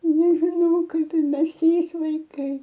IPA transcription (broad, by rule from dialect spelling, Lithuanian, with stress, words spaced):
nʲɛʒʲɪˈnɐʊ ˈkɐɪp ɪr ˈmʲɛs ˈtʲrʲiːs ʋɐɪˈkɐɪ